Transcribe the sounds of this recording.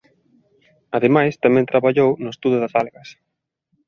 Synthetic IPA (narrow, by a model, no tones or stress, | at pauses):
aðemajst̪amɛ̃nt̪ɾaβaʎownʊest̪uðʊðɐasalɣɐs